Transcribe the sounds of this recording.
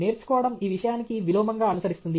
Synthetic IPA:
e̞ːɾt͡ʃu̥kɔːʋɐɽɐmiːʋiʂɐjaːnikiʋilɔːmɐŋɡaːɐnusɐɾist̪und̪i

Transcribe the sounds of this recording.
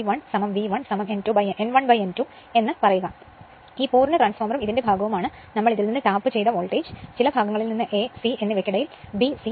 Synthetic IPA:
ʋɐɳsɐmɐmʋiʋɐɳsɐmɐmentubɐjeʔenʋɐɳbɐjentu | e̞nːɨpɐrɐjuɣɐ | iːpuːrnɐʈraːnsfoːmrɐmiðinde̞bʱaːɡɐʋumaːɳɨ | nɐmːɐɭiðilninːɨʈaːpːɨt͡ɕe̞jt̪ɐʋoːɭʈeːd͡ʑɨ̥t͡ɕilɐbʱaːɡɐŋːɐɭilninːɨʔe̞sie̞nːiʋekʲːiɽɐjilbisi

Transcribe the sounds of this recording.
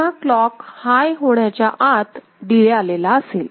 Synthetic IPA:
aklɔkhajɦoɽjat͡ɕjaʔat̪ | d̪ilealelaəseːl

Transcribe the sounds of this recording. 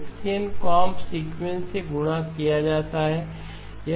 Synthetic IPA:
ksijənkaːmpsiːɡmẽnʈseɡʊɽ̃akijad͡ʒaːt̪aɦɛː | jɐ

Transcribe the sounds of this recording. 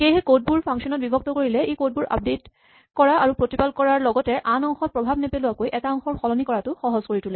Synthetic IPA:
xejɦekot̚buɹpʰaŋsiɔnɔt̚bibʱɔk̚tɔkoɹilɛekot̚buɹa̰b̚det | kɔɹaʔaɹupɹotipalkɔɹaɹlɔɡɔtɛʔanɔŋxɔt̚pɹɔbʱabnɛpelʊakojʔɛkaɔŋxɔɹxɔlɔnikɔɹatʊxɔɦɔzkoɹitʰulɛ

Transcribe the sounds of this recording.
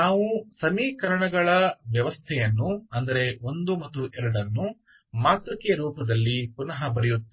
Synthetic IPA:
naːʋusɐmiːkɐɾɐɳɐɡɐɭɐʋjɐʋɐst̪ʰɛjɐnːuɐnd̪ɐɾe̞o̞nd̪umɐt̪ːuʔɛɾɐɽɐnːu | maːt̪ɾɐkːijɐɾuːpɐd̪ɐlːipunɐɦɐbɐɾɛjut̪ː

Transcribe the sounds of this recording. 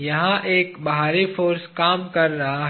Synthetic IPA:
jɐɦãʔeːkbɐɦaːɾifoːɾskaːmkɐɾːɐɦaɦ

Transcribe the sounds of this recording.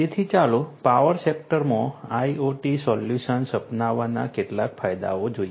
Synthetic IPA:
t̪et̪ʰit͡ʃalopaʋəɾsek̚ʈəɾmõaioʈisɔljuʃənsəpnaʋːana̰keʈlakfajd̪a̰od͡ʒoj

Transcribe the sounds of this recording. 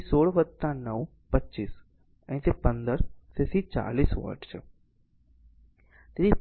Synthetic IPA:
soːɭʋət̪ːãnəʋ | pətːt͡ʃiːs | ɛ̰̃t̪epə̃nd̪əɾt̪esit͡ʃa̰ːliːsʋə̰ːʈt͡ʃ | t̪et̪i

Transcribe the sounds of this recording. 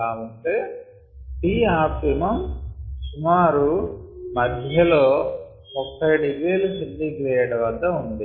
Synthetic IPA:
aːʋɐɳʈeː | ʈiːaːpimɐmsumaːɾumɐd̪ʱjɐloː | mupʰːɐjɽiʋeːlusilːiːklɛjɐʈɐʋɐd̪ːɐund̪i

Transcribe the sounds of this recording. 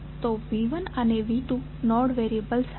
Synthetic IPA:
t̪obiʋənəneʋiʈũ | nɔɽʋeɾiəbəls

